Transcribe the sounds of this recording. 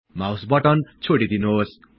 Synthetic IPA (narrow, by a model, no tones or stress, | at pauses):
mawsbʌʈʌnt͡sʰoɽid̪inuɦos